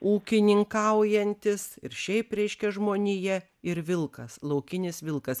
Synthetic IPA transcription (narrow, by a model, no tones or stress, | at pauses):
uːkʲɪnʲɪŋkɐʊjɛnʲt̪ʲɪsɪɾʃʲɛɪpɾʲɛɪʃʲkʲɛʒmoːnʲijɛ | ɪɾʋʲɪlˠkɐslˠɐʊkʲɪnʲɪsʋʲɪlˠkɐs